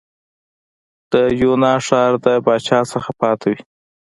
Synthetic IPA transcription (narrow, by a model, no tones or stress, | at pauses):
d̪̥əjunɑʂɑɾd̪əbɑt͡ʃɑsəxapɑt̪ʰawi